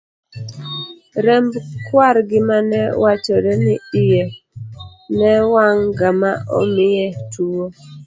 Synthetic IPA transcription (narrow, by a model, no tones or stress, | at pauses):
ɾɛmbkwaɾɡɪmanɛwat͡ʃɔɾɛnɪɪje | nɛwaŋɡamaɔ̰mɪjɛtʰuo